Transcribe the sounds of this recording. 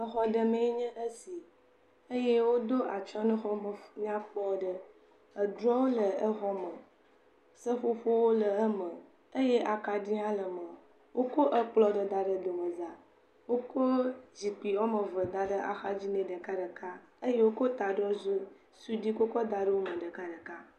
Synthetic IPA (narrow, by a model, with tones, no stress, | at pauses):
ə˦xɔ˦ɖə˨mẽ˦ɲə̃˦ʔə˦si˨ | ə˦je˦wo˦d̪o˦ʔa˨t͡ʃɔ˦nũ˦xɔ˦mə˨ɲã˦k͡plɔ˦ɖə˦ | ə˨d̪ɾɔ̃˦wo˦lə˨ə˦xɔ˦mə˨ | sə˦ɸo˦ɸo˦wo˦lə˨ə˦mə̃˨ | ə˦je˦ʔa˨ka˨ɖi˦a˦lə˨mə˨ | wo˦ko˦ʔə˦k͡plɔ˦ɖə˨d̪a˨ɖə˨d̪o˨mə˨za˨ | wo˦ko˦d͡ʑi˨pi˨wɔ˦mə˨və˨d̪a˨ɖə˦ʔa̰˨xa˦d͡ʑi˦nẽ˨ɖə˨ka˦ɖə˨ka˦ | ə˦je˦wo˦ko˦t̪a˨ɖɔ˦zo˦ | su˦ɖi˦ko˦kɔ˦d̪a˨ɖə˦wo˦mə˨ɖə˨ka˦ɖə˨ka˦